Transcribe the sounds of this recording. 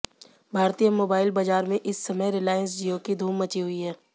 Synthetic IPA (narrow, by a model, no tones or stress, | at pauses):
bʱaːɾt̪ijəmoːbaːɪlbaːd͡ʒaːɾmẽʔɪsːɐməjɾɪlaːjəns̬d͡ʒiokid̪ʱuːmːət͡ʃiɦʊiɦɛː